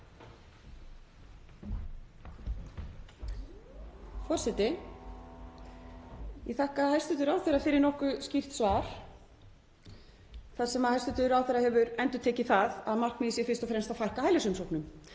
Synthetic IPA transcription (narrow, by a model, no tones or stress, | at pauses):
fɔr̥sɛt̪ɪ | jɛθahkahajst̪ʏt̪ʏɾawθɛɾafɪːɾɪɾnɔhkʏscir̥t̪svaːɾ̥ | θaðsɛmaðhajst̪ʏt̪ʏɾawθɛɾahɛvʏɾɛnt̪ʏɾt̪ʰɛːcɪθaða̰ðmar̥knmɛðisjɛfɪr̥st̪ɔfɾɛmst̪aðfajhkahajlasʏmsɔwknʏm